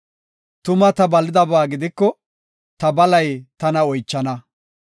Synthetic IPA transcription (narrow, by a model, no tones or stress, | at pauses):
t̪ʊmɐt̪ɐbɐlːɪd̪ɐbaːɡɪd̪ɪkːɔ | t̪ɐbɐlɐjt̪ɐnɐɔjt͡ʃːɐnɐ